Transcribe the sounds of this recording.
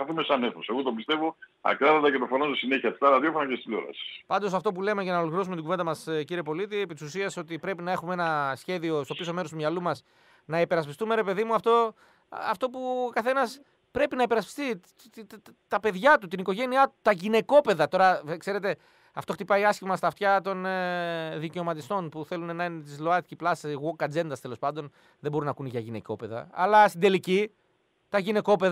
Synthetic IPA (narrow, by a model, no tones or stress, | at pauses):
ɐθumesɐneθoseɣot̪ombist̪e̞voɐ̰kɾɐðɐt̪ɐcet̪ofonososine̞çiɐt̪st̪ɐɾɐðjofonɐcest̪ilo̞̰ɾɐ̰sɐ̥spɐnd̪o̞sɐft̪o̞pule̞me̞cɐnɐolokliɾosumet̪iɡuvend̪ɐmɐsciɾiepo̞lit̪iepit̪i̥susieso̞t̪ipɾe̞pinɐe̞xumee̞nɐsçe̞ðio̞st̪o̞piso̞meɾost̪umɲɐlumɐs | nɐipe̞ɾɐspist̪ume̞ɾe̞pe̞ðimuɐft̪o̞ | ɐft̪o̞pukɐθe̞nɐs | pɾe̞pinɐipe̞ɾɐspi̥st̪i | t̪ɐpe̞ðʝɐt̪ut̪iniko̞ʝe̞niɐt̪u̥t̪ɐʝine̞ko̞pe̞ðɐt̪o̞ɾɐkse̞ɾe̞t̪e̞ | ɐft̪o̞xt̪ipɐiɐscimɐst̪ɐft̪çɐt̪o̞n | ðice̞o̞mɐt̪ist̪o̞npuθe̞lunenɐnt̪izlo̞ɐt̪iciplɐsiɣokɐd͡ze̞nd̪ɐst̪e̞lo̞spɐnd̪o̞n | ðebo̞ɾinɐkunʝɐʝine̞̰co̞pe̞ðɐ̰ɐlɐst̪ind̪e̞lici | t̪ɐʝine̞ko̞peð